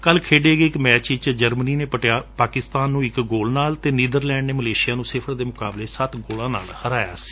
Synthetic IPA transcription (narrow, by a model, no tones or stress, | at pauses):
kəlkʰeːɖeːɡeɪkmɛːt͡ʃɪt͡ʃd͡ʒəɾməniːneːpəʈjaːpaːkɪst̪aːnːũːɪkɡoːlnaːlt̪eːniːd̪əɾlɛːɳneːməleːʃɪjaːnũːsɪpʰəɾd̪eːmʊkaːbleːsət̪ɡoːlãːna̰ːlhəɾaːja̰ːsi̥